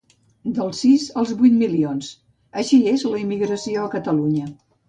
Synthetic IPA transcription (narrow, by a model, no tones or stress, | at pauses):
d̪əlˠsizəlˠzβujt̪milions | əʃiezləimiɣɾəsioəkət̪əluɲə